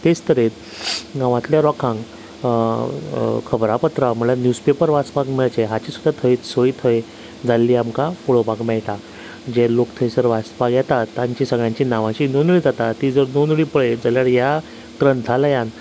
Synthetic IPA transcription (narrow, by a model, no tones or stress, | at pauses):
t̪est̪əɾet̪ | ɡãʋãt̪ljaɾɔkʰãŋ | kʰəbɾapət̪ɾaməlanjuspepəɾʋaspaɡmɛɭt͡ɕeɦat͡ɕiːsud̪ʱat̪ʰəit̪səit̪ʰəj | d͡zalːiːamkafoɭobaɡmɛɭʈa | d͡ʑelokt̪ʰəjsəɾʋaspaɡjɛt̪at̪ːãɲt͡ɕisəɡɭjãɲt͡ɕinaʋãt͡ɕinonɭiːd͡zat̪at̪iːd͡zəɾnonɭiːpəɭed͡zaljaɽja | kɾənt̪ʰalajãn